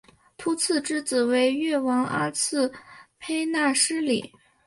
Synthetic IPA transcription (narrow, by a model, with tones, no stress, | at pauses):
t̪ʰu˧˥t͡sʰɹ̩˥˩˧ʈ͡ʂɻ̩˥t͡sɹ̩˨˩we˧˥ɪɥɛ˥˩wɑ˧˥ŋə̰˞˧˥t͡sʰɹ̩˥˩pʰe˥ɪna˥˩ʂɻ̩˥lḭ˨˩˦